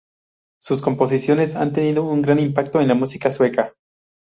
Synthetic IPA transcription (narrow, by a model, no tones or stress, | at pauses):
sus̬kompos̬isjonesa̰nt̪eniðouŋɡɾanimpakt̪oenlamusikasweka